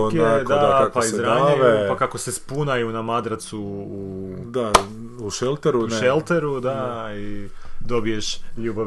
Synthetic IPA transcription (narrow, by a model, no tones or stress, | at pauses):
ok̪ad̪apaizɾaːɲeepakako̞sespunajunamad̪ɾat̪suː | d̪a | uʃelˠt̪eɾuuʃelˠt̪eɾud̪aid̪o̞bije̞ʃʎuːba